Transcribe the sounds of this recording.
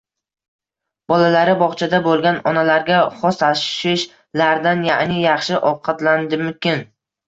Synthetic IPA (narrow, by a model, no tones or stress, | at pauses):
b̥ɒlalaɾɪbɒχt͡ʃʰad̪abolˠɡʲanɒnalaɾɡʲaχɒst̪ʰaʃʃɪʃ | laɾd̪anjanɪjɑχʃɪʔɒwqʰɑt̪land̪ɪmʊkʲɪn